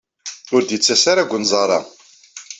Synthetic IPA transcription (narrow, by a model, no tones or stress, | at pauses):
ʊɾd̪jət͡sːæsaɾaɡʷːənzˤɑrˤɑ̰